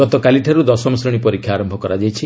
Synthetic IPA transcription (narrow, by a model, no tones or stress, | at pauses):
ɔt̪ɔkaliʈʰaɾud̪ɔsɔmɔsɾɔɽ̃ipɔɾikʰːjaaːɾɔmbʱɔkɔɾad͡ʒajt͡ʃʰi